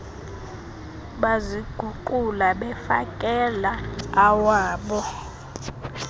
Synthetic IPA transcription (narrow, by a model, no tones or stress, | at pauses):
ɓaziɡ̥ʱuǃulaɓɛfakʼɛlaːwaːɓɔ